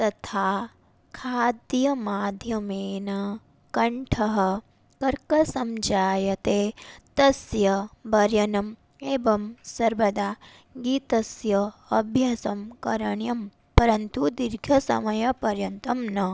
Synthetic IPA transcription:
t̪ɐt̪ʰaː | kʰaːd̪jɐmaːd̪ʱjɐmeːnɐ | kɐɳʈʰɐɦɐ̆ | kɐɾkɐsɐmd͡ʒaːjɐt̪eːt̪ɐsjɐbɐɾjɐnɐm | eːbɐmsɐɾʋɐd̪aː | ɡiːt̪ɐsjɐɐbʱjasɐmkɐɾɐɳjɐm | pɐɾɐnt̪ud̪iɾɡʱjɐsɐ̰mɐjɐpɐɾjɐnt̪ɐmnɐ

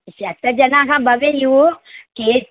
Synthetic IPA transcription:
siat̪ɛd͡ʒanãkãbabejiwoke

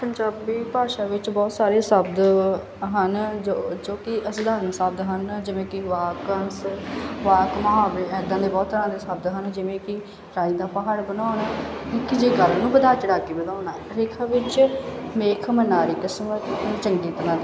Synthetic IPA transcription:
pəɲd͡ʒaːbiːpaːʃaːʋɪt͡ʃbɔːt̪saːɾeːsəb̚d̪ | ɦənd͡ʒod͡ʒoːkɪʔəsd̪aːɾənsəb̚d̪ɦənd͡ʒɪʋẽːkɪʋaːkənsʋaːkməɦaːʋɾeːɛːd̪ãːd̪eːbɔːt̪səɾãːd̪eːsəb̚d̪ɦənd͡ʒɪʋẽːkɪ | ɾaːiːd̪aːpəɦaːɽbənaːnaːɪkɪd͡ʒeːɡəɾnũːbəd̪aːt͡ʃəɽaːkeːbəd̪aːnaː | ɾɪːkʰãːʋɪt͡ʃmeːkʰmənaːɾiːkəsmət̪ːt͡ʃəŋɡiːt̪nãːd̪

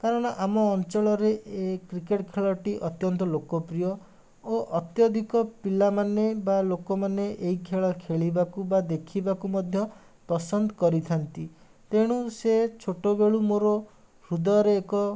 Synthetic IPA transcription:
kaɾɔɽ̃ɔʔamɔːnt͡ʃɔɭɔɾeʔekɾikeʈkʰeɭɔʈiʔɔt̪jɔnt̪ɔlokɔpɾijɔ | oʔɔt̪jɔd̪ʱikɔpilamanebalokɔmaneʔeɦikʰeɭɔkʰeɭibakubad̪ekʰibakumɔd̪ʱjɔ | pɔsɔnd̪ɔkɔɾit̪ʰant̪i | t̪eɽ̃uset͡ʃʰoʈobeɭumoɾɔ | ɾud̪ɔɔɾeːkɔ

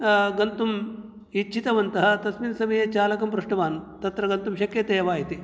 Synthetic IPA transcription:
ɡɐnt̪um | it͡ʃʰit̪ɐʋɐnt̪ɐɦɐ̆t̪ɐsminsɐmɐjɐt͡ʃaːlɐkɐmpɾuʂʈɐʋaːnt̪ɐt̪ɾɐɡɐnt̪umʃɐkjɐt̪eːɐʋaːɦit̪i

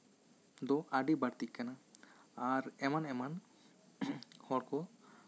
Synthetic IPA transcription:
d̪ɔʔaɖibaɽt̪iʔ̚kanaaɾɛmanɛman | hɔɽkɔ

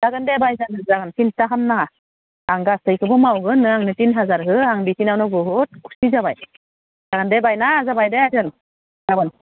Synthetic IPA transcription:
d̥aɡɯndebajzanɯzaɡɯnpʰintaɦamnaŋa | aŋɡastɯjkʰɯbɯmawɡɯnːɯaŋnɯtinɦazaɾɦɯaŋbisinawnɯɡɯɦut̚ku̥sizabaj | d̥aɡɯndebajnazabajdeatʰɯn | abɯn

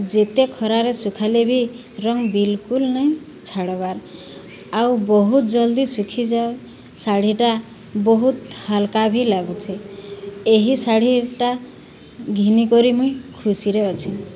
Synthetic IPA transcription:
d͡ʒet̪ekʰɔɾaɾesukʰalebʱi | ɾɔŋbilkulnɔj̃ | t͡ʃʰaɽɔβaɾ | awbɔɦut̪̚d͡ʒɔld̪isukʰid͡ʒa | saɽ̤iʈa | bɔɦut̪halkabʱilaɡut̪ʰi | eɦisaɽ̤iʈa | ɡʱinikɔɾimujkʰusiɾeɔt͡ʃʰi

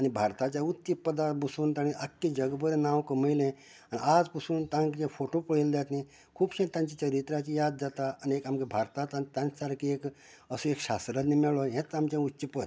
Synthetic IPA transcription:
ɐñibʱaɾt̪at͡ɕautt͡ʃipːəd̪abusunt̪añiʔəkːid͡ʒəɡbəɾenawkoməjlẽ | aniad͡zpusuːnt̪ãŋkẽpʰoʈopəɽeld̪at̪nĩ | kʰuːbsẽt̪ãnt͡ʃit͡ʃəɾit̪ɾat͡ʃijad̪̚d͡ʒat̪aəniekamkebʱaɾt̪at̪at̪ãnsaɾkiek | əsuekʃasɾəd̪nimeɭoɦẽt̪amt͡ɕãutːt͡ʃipət̪

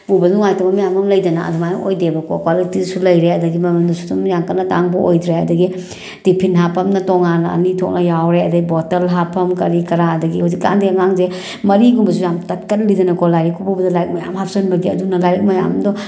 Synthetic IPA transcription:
bubɐnuŋajtɔmɐmijamɐmlɐjdɐnaɐ̰dumaj̰ʔojdebɐkʰɔkwalitisulɐjɾeɐdɐɡimɐmendusu̥dumjaŋkɐnːɐda̰ŋbɐʔojdɾeɐdɐɡi | d̥ipʰinɦapʰɐmnɐtɔŋanɐ̰nitʰɔk̚nɐjawɾeɐdɐɡibɔtɐlɦapʰɐmkɐɾikɐɾaɐdɐɡihowzik̚ːa̰ndeaŋaŋze | mɐɾiɡumbɐs̬ujamtɐt̚kɐt̚lidɐnɐkɔlajɾikʰɔbubɐdɐlajik̚mɐja̰mɦap̚ʰsɐnbɐɡiɐ̰dunɐlajɾik̚mɐja̰mdɔ

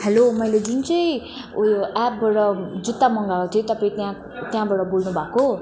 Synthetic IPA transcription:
helomʌjled͡zunt͡sʌj | ʔap̚baʈʌd͡zut̪ːamʌŋɡakot̪ʰijot̪ʌpaĩt̪jã | t̪jãbaɽʌbolnubʱako

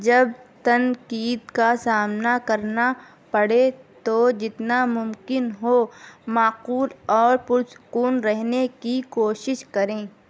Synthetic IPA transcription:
d͡ʒɐb̚t̪ɐnqiːd̪kasaːmnakɐɾna | pɐɽet̪od͡ʒɪt̪namʊmkɪnɦomaːquːlɔːɾpʊɾsʊ̥kuːnɾɛɦnekikoːʃɪʃkɐɾẽː

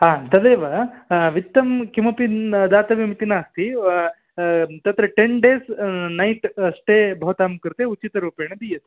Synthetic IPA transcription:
aːt̪ɐd̪eːʋɐʋit̪ːɐmkimɐpid̪aːt̪ɐʋimit̪inaːst̪i | t̪ɐt̪ɾɐʈeɳɖeːsnɐjʈsʈeːbʱɐʋɐt̪aːmkɾt̪eut͡ʃːit̪ɐɾuːpeːɳɐd̪ijɐt̪

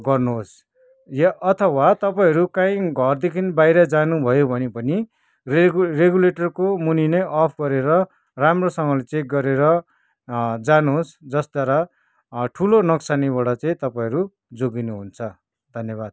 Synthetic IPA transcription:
ɡʌrnuɦos | jaʔʌt̪ʰʌwat̪ʌpaĩʌɾukãĩɡʱʌrd̪ekʰinbajɾʌd͡zanubʱʌjobʱʌnepʌni | rereɡuleʈʌrkomuninʌjʔʌpʰɡʌɾeɾʌ | ramrosʌŋʌlet͡seĩkɡʌɾeɾʌ | d͡zanuɦosd͡zʌsd̪waɾa | ʈʰulonʌksaniβaɽat͡saĩt̪ʌpaĩɦʌɾu | d͡zoɡinuɦunt͡sʰʌ | d̪ʱʌnjʌβad̪̥̚

